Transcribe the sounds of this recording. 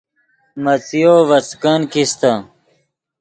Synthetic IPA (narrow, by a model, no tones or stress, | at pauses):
mɐt͡sijoʋɐt͡skɐnkist̪a